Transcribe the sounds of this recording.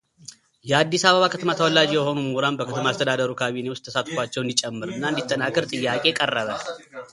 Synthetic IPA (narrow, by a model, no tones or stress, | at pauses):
jɛad̪ːisaβəβakʰət̪ʰəmat̪ʰəwɔlːad͡ʒijɛho̞numuɾanbəkʰət̪ʰəmaːst̪ʰəd̪ad̪əɾukʰaβine̞wʊst̪ʰːəsat̪ʼkʷat͡ʃːɛwɨnd̪it͡ʃʼɛmːɨɾɨnːaɨnd̪it̪ʼːənakːɨɾt̪ʼɨjːakʼe̞kʼərːəβəl